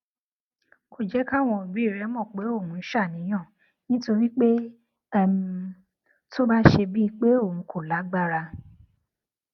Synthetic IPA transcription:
kʰo˦˨d͡ʒɛ˨˦ka˦˨w̃ɔ̃˧˨bi˨˦˨ɾɛ˨˦mɔ̃˦˨k͡pe˨˦o˦˨ũ˧˦ʃa˦˨nĩ˨˦j̃ã˦˨ | nĩ˦to˧ɾi˦k͡pe˦˨ | m˦ | to˦ba˦ʃe˧bi˦˧k͡pe˦o˦˨ũ˨˦kʰo˦˨la˨˦ɡ͡ba˦˨ɾa˧

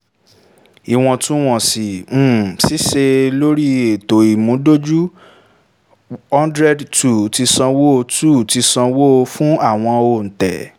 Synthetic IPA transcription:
i˦˨w̃ɔ̃˧tũ˦w̃ɔ̃˦˨sĩ˨˦˨si˦ʃe˧lo˦ɾi˦e˨to˨i˨mũ˨˦do˦d͡ʒu˦ | ɔ̃˦ndɾɛ˦dtu˦˨ti˧sã˧wo˦o˧tu˦˨ti˧sã˧wo˦o˧fũ˦a˦˨w̃ɔ̃˧o˧˨n̩˨tɛ̰˨

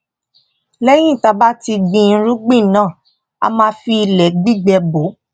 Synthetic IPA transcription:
lɛ˦j̃ĩ˦˨ta˧ba˦ti˧ɡ͡bĩ˧n̩˦ɾu˦ɡ͡bĩ˦˨nãː˦˨ | a̰˧mã˧˦fi˧i˧lɛ˨ɡ͡bi˦ɡ͡bɛ˧bo˨˦

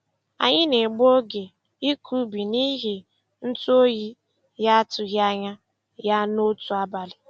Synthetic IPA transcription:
a̰˨ɲɪ˦ne˨ɡ͡bo˦ɡe˨ | i˦kʰu˦bi˨ni˦ɦi˨ | n̩˦tu˦o˦ji˦ | ja˦a˦tʊ˨ɣa˦ɲa˦ | ja˦no˦tu˨a˨ba˨lɪ˨

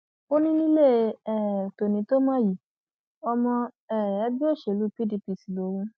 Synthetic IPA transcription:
o˦nĩ˦nĩ˦le˦˨˧ɛ˨to˨nĩ˨˦to˦mã˦ji˦˨ | ɔ˧mɔ̃˧ | ɛ˦˨ɛ˦bi˦o˦˨ʃe˨lu˦pi˦di˧pi˨si˨lo˨˦wũ˧

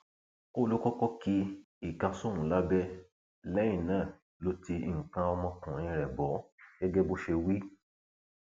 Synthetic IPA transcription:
o˦lu˦kɔ˦kɔ˦ki˦ | i˦˨kã˧sũ˦˨ũ˨la˨˦bɛ˦ | lɛ˦j̃ĩ˦˨nãː˦˨ | lo˨˦ti˧i˨ŋ̩˨kã˧ɔ˧mɔ̃˧kũ˨ĩ˧ɾɛ˨bɔ˨˦ɡ̥ɛ˦ɡɛ˦bo˦ʃe˧wi˦

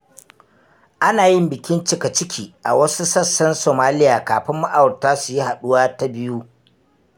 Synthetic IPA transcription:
ʔa˦naː˨jɪ˦mbɪ˨kʲɪ˦nt͡ʃɪ˦ka˨t͡ʃɪ˦kʲiː˨ʔa̰˨wɐ˦su˦sɐ˦sːɐ˦nsoː˨maː˦lɪ˦jaː˨kaː˨ɸɪ˦mːa˦ʔa˨wɽtaː˦su˨ji˦ha˨ɗʊ˦waː˦ta˦bɪ˦ju˦

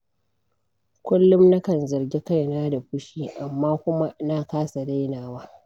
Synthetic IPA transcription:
kʷʊ˦lːʊ˦mna˦kɐ˦nzɐ˨rɡʲi˦ka˦jnaː˦da˨ɸʊ˦ʃiː˦ʔa˨mːaː˦kʷʊ˦ma˦naː˦kaː˦sa˨da˦jnaː˨waː˦

